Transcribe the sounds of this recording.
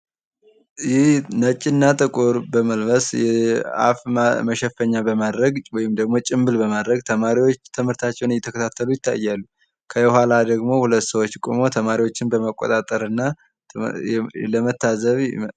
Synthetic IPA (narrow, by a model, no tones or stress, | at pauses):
jɪhnət͡ʃʼɪnːat̪ʼɨkʼoɾbəməlbəsjɛa̰fməʃɛfːəɲːabəmad̪ɾəɡwɔjɪmd̪əɡmo̞t͡ʃʼɪmbɨlbəmad̪ɾəɡ̚t̪ʰəmaɾiwo̞t͡ʃːt̪ʰɨmhɨɾt̪ʰat͡ʃːɛwnjɛt̪ʰəkʰət̪ʰat̪ʰːəlujɪt̪ʰːa̰jːalːu | kʰəjɛhalad̪əɡmo̞hulət̪ːsəwot͡ʃːkʼumo̞t̪ʰəmaɾiwo̞t͡ʃːɪnbəməkʼːo̰t̪ʼat̪ʼəɾɨnːa | ləmət̪ʰːazəβ